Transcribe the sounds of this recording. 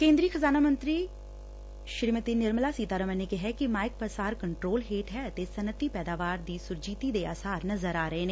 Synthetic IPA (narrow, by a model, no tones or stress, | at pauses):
kẽːnd̪ɾiːkʰəzaːnaːmə̃nt̪ɾiː | ʃɪɾmət̪iːnɪɾmlaːsiːt̪aːɾəmɛ̃ːnẽkɪɦɛkɪmaːɪk̚pəsaːɾkəɳʈɾoːlɦeːʈɦɛːət̪eːsənət̪iːpɛːd̪aːʋaːɾd̪iːsʊɾd͡ʒiːt̪iːd̪eːaːsaːɾnəzəɾaːɾəeːneː